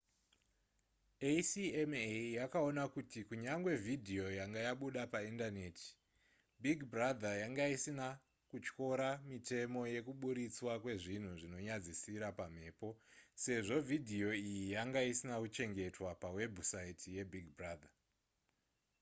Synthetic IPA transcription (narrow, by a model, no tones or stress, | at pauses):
esiemejakao̞nakutikuɲaŋɡwe̞vʱidʱio̞jaŋɡajaɓuɗapaindane̞ːtʰi̥ | biɡbrad̪ʱajaŋɡaisina | kut͡ʃko̞ɾamite̞mo̞je̞kuɓuɾit͡swakwe̞ʐin̤uʐino̞ɲad͡zisiɾapam̤e̞ːpo̞se̞ʐo̞vidʱio̞ijijaŋɡaisinakut͡ʃe̞ŋɡe̞twapawe̞bʱusaitʰije̞bʱiɡʱbraːd̪ʱa